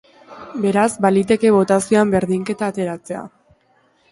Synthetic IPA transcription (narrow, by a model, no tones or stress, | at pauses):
be̞ɾazbalit̪e̞ke̞βo̞t̪asio̞ambe̞ɾðiŋke̞t̪aːt̪e̞ɾat͡se̞a̰